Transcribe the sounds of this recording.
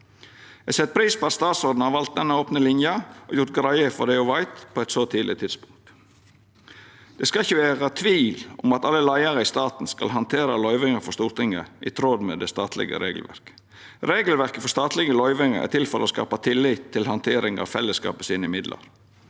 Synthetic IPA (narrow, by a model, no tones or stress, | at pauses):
ɛsɛt̪̚ːpʰɾiːspɔɑt̪st̪ɑːt̪sɔd̪n̩hɑɾʋɑlt̪̚d̪ɛnːəoːpnəlɪnjɑʔɔ̰ːjʊɾt̪ɡɾɑɪəfɔɖ̪ɛʊʋɑɪt̪pʰoːɛt̪soːt̪ʰiːlɪt̪ʰɪd̪spʊŋt̪ | d̪̥ɛskɑɪçːəʋeːʁət̪ʰʋiːlʊ̰mɑt̪ɑlːəlæɪəʁəɪst̪ɑːt̪n̩skɑ̰lɦɑnt̪ʰeːɾəlɔʏʋɪŋəfɔʂt̪uːɾt̪ɪŋə̰ʔɪt̪ʰɾod̪mɛːd̪ɛst̪ɑːt̪ʰlɪ̰ɡə̰ɾeːɡl̩ʋæ̰ɾkə̥ | ɾeːɡl̩ʋæɾkəfɔst̪ɑːt̪ʰlɪɡəlɔʏʋɪŋəɾæ̰t̪ɪlfɔɾɛ̰ɔskɑ̰ːpɑt̪ʰɪlːɪt̪ʰːɪlhɑnt̪ʰeːɾɪŋɑ̰ːʋfɛlːəskɑ̰ːpəsiːnəɪmɪd̪lʔə̰ɾ